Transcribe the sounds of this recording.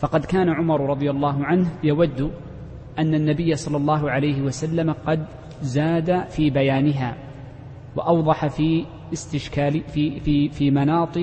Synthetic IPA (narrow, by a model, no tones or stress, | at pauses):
fɑqɑd̪kaːnaʕʊmɑɾˤɾˤɑd̪ˤɨjalˤːɑːɦʊʕanhjawad̪ːʊ | ʔanːanːabɪjːasˤɑlːɑlˤːɑːɦʊʕalajɦɪwasalːamaqɑd̪ | zaːd̪afiːbajaːnɪɦaː | waʔɑwðˤɑħafi | ɪst̪ɪʃkaːfifiːmanɑːt̪ˤɨ